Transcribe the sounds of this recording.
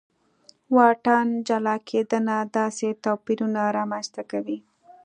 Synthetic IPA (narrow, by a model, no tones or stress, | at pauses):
wɑʈɑnd͡ʒalɑkʰed̪ənad̪ɑset̪opiɾunaɾɑmanst̪akawi